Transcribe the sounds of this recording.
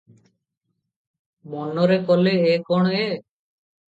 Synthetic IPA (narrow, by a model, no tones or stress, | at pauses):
mɔnːoɾekoleekɔɽ̃e